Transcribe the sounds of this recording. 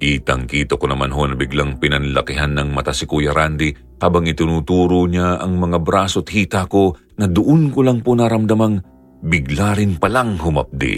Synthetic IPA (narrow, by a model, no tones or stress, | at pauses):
ʔit̪ɐŋkiːt̪okonɐmanɦo̞nɐbɪɡlaŋpɪnɐnlɐkɪɦanːɐŋmɐt̪asɪkujɐɾand̪i | haːbɐŋɪt̪ɪnuːt̪uːɾoɲaʔɐŋmɐŋabɾaːsot̪̚hiːt̪ako̞ | nɐd̪ʊʔonkolɐŋponaɾɐmd̪ɐmaŋ | bɪɡlaɾɪnpɐlaŋhʊmɐ̰p̚d̪ɪ̰